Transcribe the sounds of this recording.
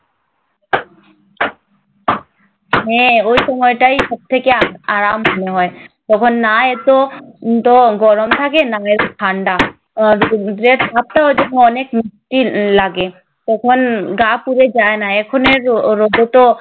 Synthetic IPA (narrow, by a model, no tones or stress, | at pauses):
ɦɛ̃ojʃɔmɔjʈaiʃɔb̚t̪ʰekeaaɾamɦɔneɦɔet̪ɔkʰonːaet̪ot̪oɡɔɾomt̪ʰakenaet̪okʰaɳɖa | dɾet̪bʱap̚t̪aojd͡ʒɔkʰoɔnekmisʈilaɡe | t̪ɔkʰonɡapuɾed͡ʒaenaɛkʰoneɾɾod̪et̪o